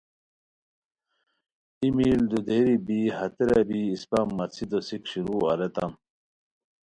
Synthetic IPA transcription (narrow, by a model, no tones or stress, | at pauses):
imiːld̪ud̪eɾibihɐt̪eɾabiːspamːɐt͡sʰid̪osikɕiɾuːɐ̰ɾet̪ɐm